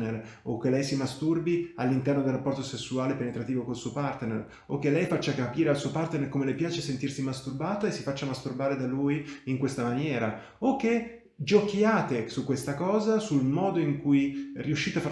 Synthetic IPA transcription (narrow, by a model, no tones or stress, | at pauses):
ner | okːelːɛjsimast̪urbialːint̪ɛrnod̪elrːapːɔrt̪osesːuaːlepenet̪ɾat̪iːvokolsuopart̪nḛr | okːelːɛjfat͡ʃːakapiːɾealsuopart̪nerkomelepjaːt͡ʃesent̪irsimast̪urbaːt̪aesːifat͡ʃːamast̪urbaːɾed̪alujiŋkwest̪amanjɛːɾa | okːe | d͡ʒokjaːt̪esukːwest̪akɔːzasulmɔːd̪oiŋkujriuʃːiːt̪eafa